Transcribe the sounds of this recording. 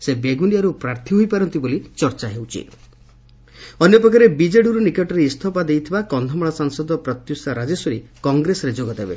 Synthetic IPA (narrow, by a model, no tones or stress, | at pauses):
sebeɡunijaɾupɾaɾt̪ʰiɦojpaɾɔnt̪ibolit͡ʃɔɾt͡ʃaɦewt͡ʃʰḭ | ɔnjɔpɾɔkaɾebid͡ʒeɽuɾunikeʈɔɾeist̪ʰɔpad̪ejt̪ʰibakɔnd̪ʱɔmɔɭasaŋsɔd̪ɔpɾɔt̪jusaɾad͡ʒesɔɾikɔŋɡɾesɔɾed͡ʒoɡɔd̪ebe